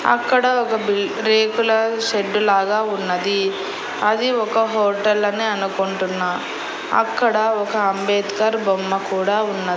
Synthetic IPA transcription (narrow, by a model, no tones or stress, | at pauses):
ɐ̰kːɐɽɐɔkɐbil | ɾeːkulɐʃeɖːulaːɡaːunːɐd̪i | ɐd̪iɔkɐɦoːʈɐlɐneɐnukoɳʈunːaː | ɐ̰kːɐɽɐɔkɐːmbeːt̪kɐɾbomːɐkuːɽaːunːɐi